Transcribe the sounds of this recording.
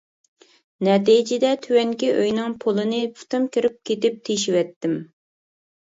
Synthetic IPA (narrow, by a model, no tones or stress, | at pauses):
nɛt̪id͡ʒɪd̪ɛt̪ʰywɛŋkʲiʔøjnɨŋpʰolˠɨnɨpu̥t̪ɨmkʲʰiɾɪp̚kʲet̪ɪp̚t̪ʰeʃiwɛt̪ːɪm